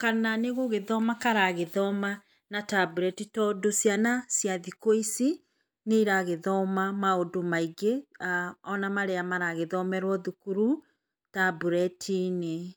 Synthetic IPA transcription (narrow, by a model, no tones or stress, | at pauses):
kananeɣoɣeðɔmakaɾaɣeðɔma | natabuɾɛtitɔdosjanasjaðikoisi | neiɾaɣeðɔmamaodomaiɡeaɔnamaɾeamaɾaɣeðɔmɛɾwɔðukuɾu | tabuɾɛtʰine